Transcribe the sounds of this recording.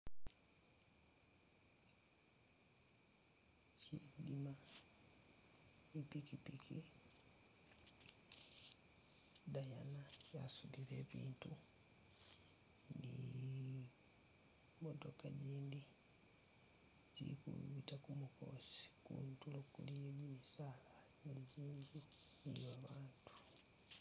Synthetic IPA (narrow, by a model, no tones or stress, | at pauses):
cidima | ipikipikʰi | dajanaja̰suðiɾe̞ːβiːntu | ni | motoka̰ɟiːndi | zḭkṵβitakumuko̞̰si̥kṵntulokulijeɟimisala | ɲiɟiːɲɡu | ḭβaβaːntu̥